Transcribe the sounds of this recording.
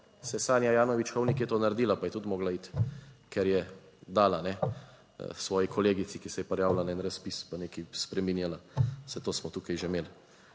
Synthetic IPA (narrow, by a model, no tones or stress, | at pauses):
sɛsaːnjajaːnɔʋit͡ʃxɔwnikjɛt̪oːnaɾd̪iːlapajɛt̪ut̪mɔːɡlait̪kɛɾjɛ | d̪aːlanɛ̰ | sʋɔːjikʰɔleːɡit̪sikisɛjɛpɛɾjaːwlanɛːnɾaspispaneːkispɾɛminjalasɛt̪oːsmɔt̪uːkajʒemeːl